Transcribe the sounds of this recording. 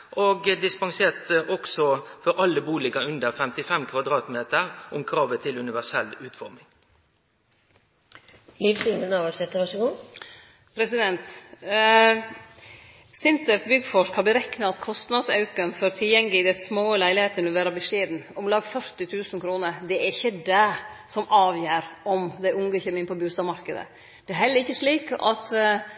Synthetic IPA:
ʔoːɡd̪ɪspɑŋseːt̪ɔksɔfɔɾʔɑlːəbuːlɪkɑʉnd̪əʁfɛmt̪ɪfɛmkʰʋɑd̪ɾɑːt̪meːt̪əɾʔʊmkʰɾɑːʋət̪ʰɪlʉnɪʋæsɛlːʉːt̪fɔɾmɪŋ | liːfsinənɑʋɑsɛt̪ːəʋɑʂəɡuː | pʰɾɛsɪd̪ɛnt̪ | sɪnt̪əfbʏɡːfɔʂkhɑɾbəɾɛknəɑt̪kʰɔst̪nɑd̪sɑ̰ʉkənfɔɾt̪ʰɪljɛŋːəlɪd̪ɛsmoːəlæɪlɪheːt̪ənɔʋæːɾɑbəʂeːd̪n̩ɔmlɑːɡfœɾt̪ɪt̪ʰʉːsn̩kʰɾuːnəɾd̪ɛæɾɪçːəd̪ɛsɔmʔɑːʋjæːɾɔmd̪æɪʊŋɡəçɛmɪnpʰɔbʉːst̪ɑmɑɾkəd̪ə̰ | d̪̥ɛæɾhɛlːəɾɪçːəʂɭiːkɑ̰t̪

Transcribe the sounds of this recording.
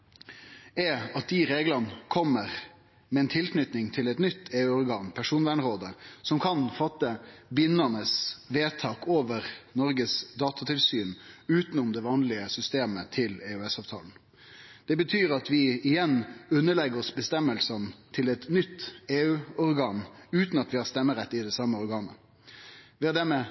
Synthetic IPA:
ɛɑt̪̚d̪ɪɾeːɡlɑnkʰɔmːəɾ | mɛɛnt̪ʰɪlknʏt̪nɪŋt̪ʰɪlɛt̪nʏt̪ːʰeːʉːɔɾɡɑːnpʰæʂuːnʋæːɳʁoːd̪əsɔmkʰɑnfɑt̪ːəbɪnːɑnəsʋeːt̪ʰɑːkoːʋəʁnɔɾɡəsd̪ɑːt̪ɑt̪ʰɪlsyːnʉːt̪n̩ʊmd̪ɛʋɑːnlɪəsʏst̪eːmət̪ʰɪleʉɛsɑːʋt̪ʰɑ̰ːln̩ | d̪̥ɛbət̪ʰyːɾɑt̪ʋɪɪjɛnːʉnːəɭɛɡəɾɔsbəst̪ɛmːəlsənt̪ʰɪlɛt̪nʏt̪ːeːʉːɔɾɡɑːnʉːt̪nɑt̪ʋɪhɑːɾst̪ɛmːəɾɛt̪ːɪd̪ɛsɑmːəɔʁɾɡɑːnə̰ | ʋɪɑd̪æmɛ

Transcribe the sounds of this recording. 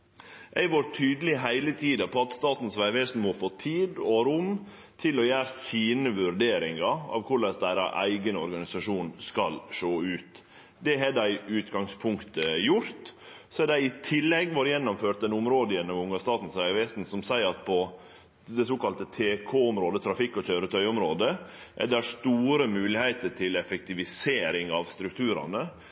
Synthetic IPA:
ʔæɪʋoːɾt̪ʰyːd̪əlɪɦæɪlət̪ʰiːd̪ɑpʰɔɑt̪st̪ɑːt̪n̩sʋæɪʋeːsn̩mɔfoːt̪ʰiːd̪ɔɾʊm | t̪ʰɪlɔjæːɾəsiːnəʋʉɾɖ̪eːɾɪŋɑɑ̰ʋkʰʊɭɛsd̪æɪɾə̰ʔæ̰ɪɡənɔ̰ɾɡɑnɪsɑʂuːnskɑlʂoːʉːt̪ | d̪ɛɦɛdæɪʉːt̪ɡɑŋspʰʊŋkt̪əjʊɾt̪ | sɔæɖæɪɪt̪ʰɪlːɛɡʋɔɾjɛnːɔmføːʈ̚d̪ɛnʊmɾoːd̪əjɛnːɔmʊŋːɑst̪ɑːt̪n̩sæɪʋest̪n̩sɔmsæɪəɾɑt̪pʰɔ | d̪ɛsoːkɑlt̪ət̪ʰeːkʰoːʊmɾoːd̪ət̪ʰɾɑfɪkːɔc͡çœʏɾət̪ʰœʏʊmɾoːd̪ə | ʔæ̰ɖɛæʂt̪uːɾəmʉːlɪhæɪt̪əʈʰɪlɛfɛkt̪ɪʋɪseːɾɪŋɑʋst̪ɾʉkt̪ʰʉːɾɑ̰nə

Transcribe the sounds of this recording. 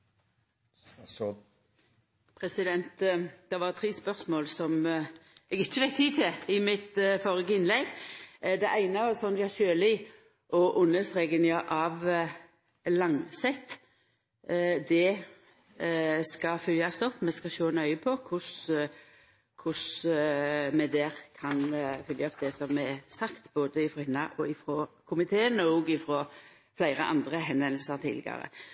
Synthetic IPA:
pʰɾɛsɪd̪ɛnt̪d̪̥ɛʋɑʁt̪ʰɾiːspœʁsmoːlsɔm | ɛɡɪt͡ʃːəʋɛɪt̪ʰiːt̪ʰɪɪmɪt̪fɔʁɪɡəɪnlɛɡd̪ɛʔæɪnəɑsɔnd̪ɑʃøːlɪ | ʔɔʔʊnːəst̪ʁeːɡənjɑʔɑʋ | lɑŋsɛt̪ː | d̪ɛ | skɑfʏljɑst̪ɔpːmɛskɑʃoːnœʏəpʰɔkʰʊs | kʰʊs | mɛd̪ɛːʁkʰɑnfʏljəɔp̚d̪ɛsɔmːɛɛsɑkt̪boːd̪əɪfɾɔhɪnːɑʔɔɪfɾɔkʰʊmɪt̪ʰeːənɔːɡɪfɾɔ | flæɪɾəʔɑ̰nd̪ʁəɦɛnʋɛnl̩səɾt̪ʰɪ̰lɪ̰ɡɑ̰ɾə̰

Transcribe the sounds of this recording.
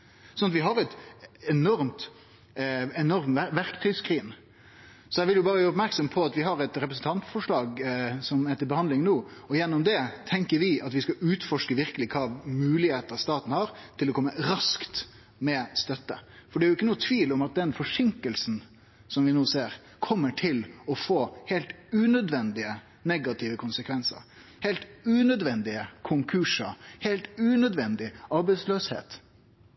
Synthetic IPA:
sɔnɑt̪ʋɪɦɑɾɛt̪ɛnɔɾmt̪ | ɛnɔɾmʋæɾkt̪ʰœːɡskʰɾiːn | sɔjæʋɪljʊbɑːɾəʋæːɾɔpmæɾksɔmpʰɔɑt̪ʋɪɦɑɾɛt̪ɾɛpɾəsən̩t̪ɑnt̪fɔʂɭɑːɡsɔmæt̪ɪbəhɑnd̪lɪŋnoːɔjɛnːɔmd̪ɛt̪ʰɛŋkəɾʋɪɑt̪ʋɪskɑʉːt̪fɔʂkəʋɪɾkəlɪkʰɑːmʉːlɪheːt̪əɾst̪ɑːt̪n̩hɑɾt̪ʰɪlɔkɔmːəɾɑskt̪ | mɛst̪œt̪ːə̰fɔɖɛæɾjʊɪkːənuːət̪ʰʋiːlɔmɑt̪̚d̪ɛnfɔʂɪŋkəlsn | sɔmʋɪnoːseːɾ | kʰɔmːəʈʰɪlɔfoːheːlt̪ʉːnœd̪ʋɛnd̪ɪə | nɛɡɑt̪ʰɪːʋəkʰʊnsəkʰʋɛnsə̰ɾ | helt̪ʉːnœd̪ʋɛnd̪ɪəkʰʊŋkʰʉʂɑheɪlt̪ʉːnœd̪ʋɛnd̪ɪɑɾbæɪsløːshḛːt̪

